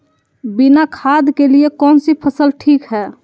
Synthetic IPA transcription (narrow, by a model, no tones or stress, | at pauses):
binakʰad̪keliekɔːnsipʰəsəlʈʰiːkɦɛː